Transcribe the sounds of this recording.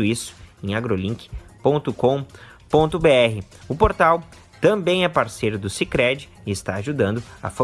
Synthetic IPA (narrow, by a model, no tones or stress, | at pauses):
ʊisʊ̥ẽj̃aɡɾolĩkɪ̥põnt̪ʊkõ | põnt̪ʊbeɛɦɪ | ʊpoɾt̪aw | t̪ɐ̃bẽj̃ɛpaɾsejɾʊd̪ʊsikɾɛd͡ʒɪɪɪst̪aaʒud̪ɐ̃nd̪ʊa̰fo